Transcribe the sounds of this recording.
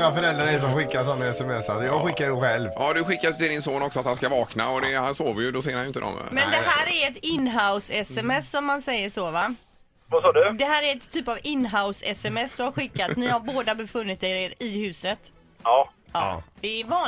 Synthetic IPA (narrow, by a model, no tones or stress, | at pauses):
ŋafœɾɛld̪ɾaɾɛs̬ɔmɧɪkːasɔnːaɛsɛmɛsːasjɑɡɧɪkːaɾɛɧɛlvjɑd̪ɵɧɪkːaɾt̪ʰɪld̪ɪnsoːnɔksɔat̪hanskavɑːkna̰ɔd̪ɛhansoːvəɾjɵd̪ɔseːɾhanjʏnt̪əd̪ɔ̰m̰mɛnd̪ɛɦæːɾæɾɛt̪ɪnːɦaʊsɛsɛmɛsːɔmːhansɛjːəʂoːva | vasɑːɖɵd̪ɛɦæːɾæɾɛt̪ʰːyːpavɪnːɦaʊsɛ̰sɛmɛsd̪ɵhaɾɧɪkːat̪nɪhaɾboːd̪abɛfɵnːɪt̪eɾeːɾɪhʉ̟ːsət̪ | ɑːɑ̰d̪̥ɛɛvɑː